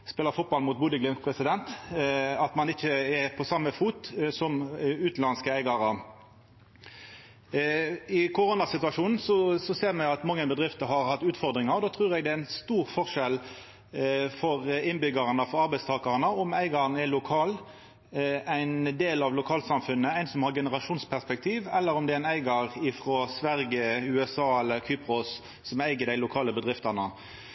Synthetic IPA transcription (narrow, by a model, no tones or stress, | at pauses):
spɛːləfʊt̪̚bɑlmʊːt̪̚buːd̪əɡlɪmpʰʁɛsɪd̪ɛnt̪ | ɑt̪mɑnɪçːəɛpʰɔsɑmːəfuːt̪sɔmʉːt̪lɑnskəæɪɡɑʁə | ɪkʰʊʁoːnɑsɪt̪ʉɑʂuːnn̩sɔsɔseːʁmɛɑt̪mɑŋːəbəd̪ʁɪft̪əɦɑɾhɑt̪ːʉːt̪fɔʁd̪ʁɪŋɑɾɔd̪oːt̪ʰʁʉːʁɛɡd̪ɛæɪnst̪uːʁfɔʁʂɛl | fɔʁɪnbʏɡəʁənəfɔɾɑʁbæɪst̪ʰɑːkɑʁnəɔmæɪɡɑɾnɛlʊkʰɑːl | æɪnd̪eːlɑʋlʊkʰɑːlsɑmfʉnːəæɪnsɔmhɑʁɡɛnəʁɑʂuːnspʰæʁspɛk̚t̪ʰiːʋɛlːəɾʊmd̪ɛæɪnæɪɡɑɾɪfɾoːsʋæɾɡəʉːɛsɑːɛlːəɾkʰyːpɾʊsː | ɔmæɪɡəd̪æɪlʊkʰɑːləbəd̪ʁɪft̪ɑnə